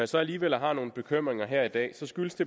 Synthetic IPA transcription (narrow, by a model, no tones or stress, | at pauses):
jæsɒ̽æliːʋel̰ɦɑ̈no̝ːn̩b̥e̝kʰøm̰ʁeŋɐɦæɐ̰id̥ɛ̰ːsɒ̽sɡ̥yləsd̥e̝